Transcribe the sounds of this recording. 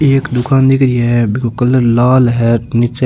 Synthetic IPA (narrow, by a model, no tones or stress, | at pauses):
eːkd̪ʊkaːnd̪ɪkɾɪeɛbɪkokəlːəɾlaːlɦɛːnɪt͡ʃː